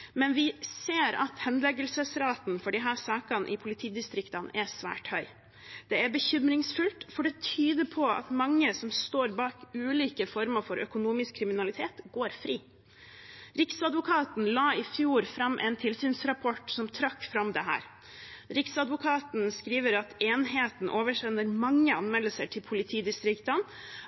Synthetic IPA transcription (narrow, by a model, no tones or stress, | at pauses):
mɛnʋɪseːɾɑ̰t̪hɛnd̪lɛɡəlsəsɾɑːt̪n̩fɔɖɪɦæːsɑːkɑnʔɪpʰʊlɪt̪ʰiːd̪ɪst̪ɾɪkt̪ɑnʔɛsʋæ̰ːʈhœʏ | d̪̥ɛæɾbəçʏmɾɪŋsfʉlt̪fɔɖɛt̪ʰyːd̪əɾpʰɔɑ̰t̪mɑŋːəsɔmst̪oːɾbɑːkʉːliːkəfɔɾməfɔɾʔœ̰kʊnuːmɪskʰːɾɪmɪnɑlɪt̪ʰeːt̪ɡoːɾfɾiː | ɾɪksɑd̪ʋʊkʰɑːt̪n̩lɑːɪfjuːɾfɾɑmːʔɛ̰nt̪ʰɪlsyːnsɾɑpʰɔʈsɔmt̪ʰɾɑkːfɾɑmd̪ɛɦæ̰ːɾ | ɾɪksɑd̪ʋʊkʰɑːt̪n̩skɾiːʋəɾɑt̪eːnɦeːt̪n̩ʔoːʋəʂɛnːəɾmɑŋːəɑnmɛlːəsəʈʰɪlpʰʊlɪt̪ʰiːd̪ɪst̪ɾɪkt̪ɑn